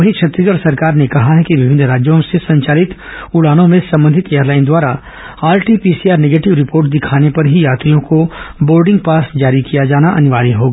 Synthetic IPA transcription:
ɐɦikt͡ʃʰɐt̪ɾəɡəɽsɐɾkaːɾnekɐɦaɦɛkiʋɪbʱɪnɾaːd͡ʒjõsesɐ̃ɲt͡ʃaːlɪt̪ | ʊɽaːnõmẽsɐ̃mbə̃nd̪ʱɪt̪ejəɾlaːɪnd̪waːɾa | aːɾʈipiːsiaːɾneɡeːʈɪʋɾɪpoːɾʈd̪ɪkʰaːnepɐɾɦijaːt̪ɾijõkoboːɾɖɪ̃ŋɡ̚paːsd͡ʒaːɾikijad͡ʒaːnaʔɐnɪʋaːɾiɦoːɡa

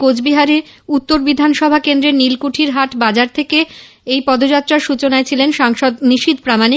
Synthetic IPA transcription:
kod͡ʑbiɦaɾeut̪ːoɾbid̪ʱanʃɔbʱakend̪ɾenilkuʈʰiɾɦaʈbad͡ʑaɾt̪ʰeke | ejpɔd̪od͡ʑat̪ːɾaɾʃut͡ɕonaet͡ɕʰilenʃaŋʃɔd̪niʃit̪pɾamani

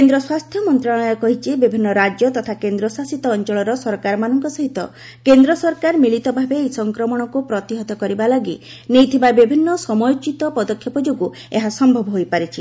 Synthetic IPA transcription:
end̪ɾɔswast̪ʰjɔmɔnt̪ɾaɭ̃ɔjɔkɔɦit͡ʃʰibibʱinːɔɾad͡ʒjɔt̪ɔt̪ʰakend̪ɾɔsasit̪ɔːnt͡ʃɔɭɔɾɔsɔɾkaɾɔmanɔŋkɔsɔɦit̪ɔ | kend̪ɾɔsɔɾkaɾmilit̪ɔbʱabeːjsɔŋkɾɔmɔɽ̃ɔkupɾɔt̪iɦɔt̪ɔkɔɾibalɔɡi | nejt̪ʰibabibʱinːɔsɔmɔjot͡ʃit̪ɔpɔd̪ɔkʰjɔpɔd͡ʒoɡu | eɦasɔmbʱɔbʱɔɦojpaɾit͡ʃʰi

